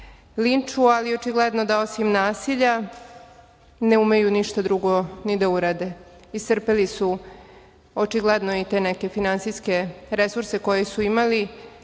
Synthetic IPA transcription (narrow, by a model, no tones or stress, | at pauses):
lint͡ʂualio̞t͡ʃiɡled̪nod̪ao̞simnaːsiʎa | ne̞umejuniʃt̪ad̪ɾuɡo̞nid̪auɾad̪e̞ | ist̪r̩pelisu | o̞t͡ʃiɡled̪noit̪e̞ːneke̞finant̪siske̞ɾe̞suɾse̞ko̞jesuimali